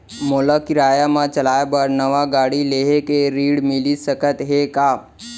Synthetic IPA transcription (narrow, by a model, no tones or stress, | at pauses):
moːlakɪɾaːjamãt͡ʃəlaːjebəɾnəʋaɡaːɽileːɦekeɾiːɽmɪlisəkət̪ɦekaː